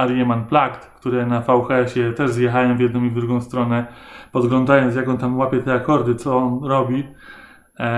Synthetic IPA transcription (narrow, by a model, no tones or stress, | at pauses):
aɾjɛmanplakt̪kt̪uɾɛnafawxɛɕɛt̪ɛʐzjɛxajɔ̃w̃vʲjɛd̪nɔ̃mivd̪ɾuɡɔ̃w̃st̪ɾɔnɛpɔd̪ɡlɔnd̪ajɔns̬jakɔ̃nt̪amwapʲjɛt̪ɛakɔɾd̪ɘt̪sɔɔnɾɔbʲi